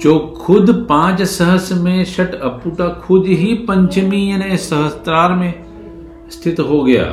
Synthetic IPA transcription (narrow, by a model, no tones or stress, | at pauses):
t͡ʃoːkʰʊd̪pãːt͡ʃsɐɦəsmẽʃɐʈʰɐpuːʈakʰʊd̪ɦipɐ̃ɲt͡ʃmijɐnesɐɦəst̪ɾaːɾmẽ | st̪ʰɪt̪ɦoɡɐja̰ː